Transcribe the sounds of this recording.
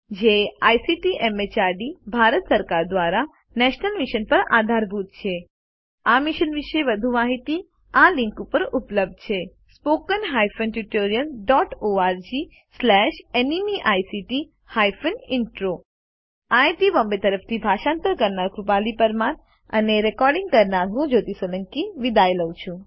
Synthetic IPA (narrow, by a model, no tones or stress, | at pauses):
d͡ʒeajsiʈiʔemet͡ʃaɾɖibʱaɾət̪səɾkaɾd̪ʋaɾa | nɛʃnəlmiʃənpəɾa̰d̪ʱaɾbʱut̪̚t͡ʃʰe | amiʃənʋiʃeʋəd̪ʱumaɦit̪i | aliŋkupəɾupləb̚d̪̚t͡ʃʰe | spokənɦajfənʈuʈoɾijəlɖɔʈoaɾd͡ʒi | slɛʃenimiʔajsiʈi | hajfənɪɳʈɾo | ajʈibɔmbet̪əɾəft̪ʰibʱaʃãnt̪əɾkəɾnaɾkɾupalipəɾman | ə̰neɾɛkɔɾɖiŋɡ̚kəɾnaɾɦũd͡ʒot̪isələŋkiʋid̪ajləwt͡ʃʰũ